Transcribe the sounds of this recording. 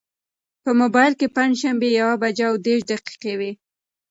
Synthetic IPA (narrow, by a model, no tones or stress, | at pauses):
pəmobɑjɪlkepaɲd͡ʒʃambejawabad͡ʒaːwd̪eɾʃd̪aqi̥qewe